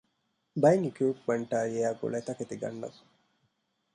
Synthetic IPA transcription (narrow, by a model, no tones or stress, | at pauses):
bɐjnikuːpmɐɳʈaːjieaːɡṵlet̪ɐket̪iɡɐ̰nːɐ̰f